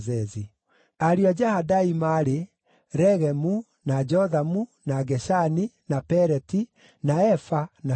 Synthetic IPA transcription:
zɛzi | aɾiad͡ʒahadaimaɾe | ɾɛɣɛmu | nad͡ʒɔðamunaɡɛʃaninapɛɾɛti | naɛfana

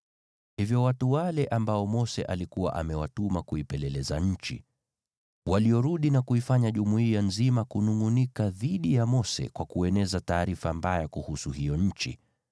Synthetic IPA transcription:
hivjɔwatuwalɛʔambaɔmɔsɛ̰ʔalikuwa̰ʔamɛwatumakuipɛlɛlɛzaɲ̩t͡ʃḭ | waliɔɾuɗinakuifaɲaʄumuijanzimakunuŋunikaðiɗijamɔsɛ̰kwakuɛnɛzataːɾifambajakuhusuhijɔɲ̩t͡ʃḭ

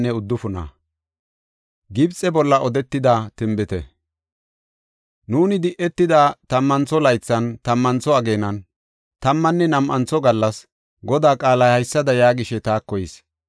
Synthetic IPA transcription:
nːɛʊd̪ːʊfʊnɐ̰ | ɡɪbt͡sʼːɛbɔlːɐʔɔd̪ɛt̪ːɪd̪at̪ɪmbɪt̪ɛ̰ | nuːnɪd̪ɪʔɛt̪ːɪd̪at̪ɐmːɐnt͡sɔlɐjt͡sːɐnt̪ɐmːɐnt͡sɔɐɡe̞ːnɐn | t̪ɐmːɐnːɛnɐmʔɐnt͡sɔɡɐlːɐs | ɡɔd̪aːkʼaːlɐhɐjsːɐd̪ɐjaːɡɪʃɛt̪aːkːɔjɪs

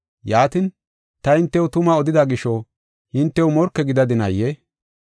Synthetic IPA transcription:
jaːt̪in | t̪ɐhɪnt̪ːɛwʊt̪ʊmɐɔd̪ɪd̪ɐɡɪʃɔ | hɪnt̪ːɛwmɔɾkːɛɡɪd̪ɐd̪ɪnɐjːɛ

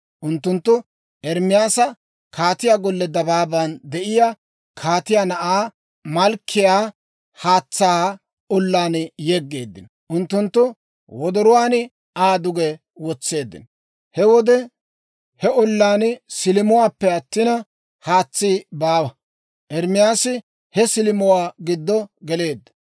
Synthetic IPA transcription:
ʔʊnt̪ːʊnt̪ːʊ | ɛɾmɪjaːsɐ | kʰaːt̪ɪjaːɡɔlːɛd̪ɐbaːbɐnd̪ɛʔɪja | kʰaːt̪ɪjaːnɐʔaː | mɐlkʰːɪjaː | haːt͡sːaː | ɔlːaːnjɛɡːe̞ːd̪ːɪ̰nɔ | ʔʊnt̪ːʊnt̪ːʊ | wɔd̪ɔɾɔwaːnɪ | aːd̪ʊɡɛ | wɔt͡sːe̞ːd̪ːɪ̰nɔ | hɛwɔd̪ɛ | hɛɔlːaːnsɪlɪmʊwaːpːɛɐt̪ːɪnɐ | haːt͡sːiːbaːwɐ | ʔɛɾmɪjaːsɪ | hɛsɪlɪmʊwaːɡɪd̪ːɔɡɛle̞ːd̪ːɐ̥

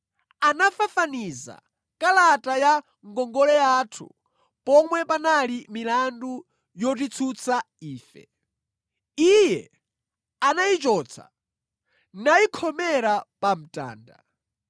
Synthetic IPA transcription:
anafafaniza̰ | kalataja | ŋɡɔŋɡɔlɛatʰṵ | pɔmwɛpanalimilandu | jɔt̬it͡sʰut͡sʰa | iːfɛ̰ | ijɛ | anait͡ʃɔːt͡sʰa̰ | naikʰɔmɛɾapam̩ta̰ːnda̰

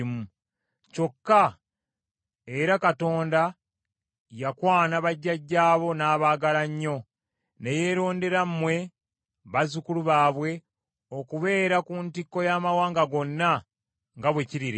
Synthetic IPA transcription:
mu | co̞kːa | e̞ɾakato̞ːnda | jakwaːnaβaɟːaɟːaːβo̞naːβaːɡalaɲːo̞ | ne̞je̞ːɾo̞ːnde̞ɾammwe̞ | βazukuluβaːβwe̞ | o̞kuβe̞ːɾakuːntikːo̞jaːmawaːŋɡaɡo̞nːa | ŋɡaβwe̞ciɾiɾ

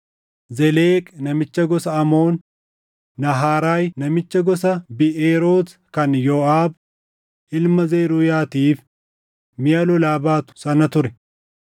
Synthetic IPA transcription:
zɛleːkʼnɐmɪt͡ʃːɐɡɔsɐɐmo̞ːnː | ɐɦaːɾaːjnɐmɪt͡ʃːɐɡɔsɐbɪʔeːɾoːs | kɐnjoːʔaːb | ʔɪlmɐzeːɾujaːt̪iːf | mɪjɐlɔlaːbaːt̪ʊ̥sɐnɐt̪ʊɾɛ

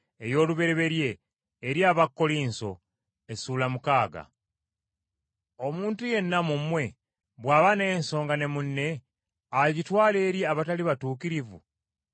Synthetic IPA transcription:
ejo̞ːluβe̞ɾe̞βe̞ɾje̞ː | ɾjaːβakːo̞liːnso̞̰ | e̞suːlamukaːɡa̰ | o̞muːntuje̞nːamumwe̞ | βwaːβanenso̞ːŋɡane̞munːe̞ | aɟitwaːle̞ːɾjiaβataliβatuːkiɾivṵ

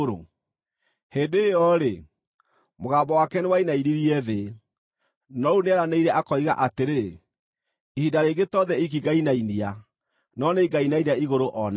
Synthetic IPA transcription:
ɾo̰ | heːdejɔɾe | moɣaːbɔwakɛnewainainiɾiɛðe | nɔuneaɾaneiɾɛʔakɔiɣa̰ʔateɾe | ihidaɾeːɡetɔðɛik̬iɡainainia | nɔneɡainainaiɣoɾoʔɔna

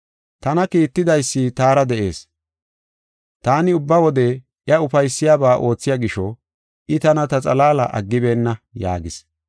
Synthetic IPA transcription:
t̪ɐnɐkiːt̪ːɪd̪ɐjsːɪt̪aːɾɐd̪ɛʔe̞̰ːs | t̪aːnɪʊbːɐwɔd̪ɛ | ʔjɐʊfɐjsːɪjaːbaːʔo̞ːt͡sːɪjaːɡɪʃɔ | ʔɪt̪ɐnɐt̪ɐt͡sʼɐlaːlɐ̰ʔɐ̰ɡːɪbeːnːɐja̰ːɡɪs

